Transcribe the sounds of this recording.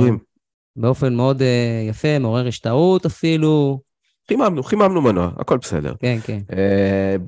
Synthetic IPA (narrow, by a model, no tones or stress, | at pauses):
im | beo̞fe̞nmeo̞d̪ejafe̞meo̞ʁeʁiʃt̪aut̪afilu | χimamnuχimamnumanua̰a̰ko̞lbesḛd̪ḛʁkenkene